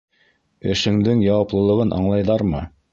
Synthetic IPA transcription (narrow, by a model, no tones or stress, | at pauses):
ɘ̆ʃɘ̆ŋd̪ɘŋjɑwɑplˠɤ̆lˠɤ̆ʁɤnʔɑ̰ɴlˠɑjðɑɾmɤ